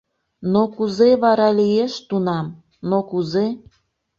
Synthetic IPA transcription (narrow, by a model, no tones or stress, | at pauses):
nokuzeβɑɾɑlijeʃt̪unɑm | nokuze